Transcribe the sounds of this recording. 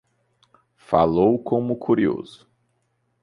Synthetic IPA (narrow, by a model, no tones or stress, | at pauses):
fa̰lowkõmʊkʰuɾio̰zʊ̥